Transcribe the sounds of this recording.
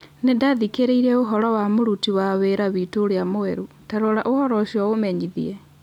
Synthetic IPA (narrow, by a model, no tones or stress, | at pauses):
nendaðikeɾeiɾɛoɦɔɾɔwamoɾutiwaβeɾaβitoɾeamoeɾu | taɾoɾaʔohɔɾɔʃiɔomɛɲiðḭɛ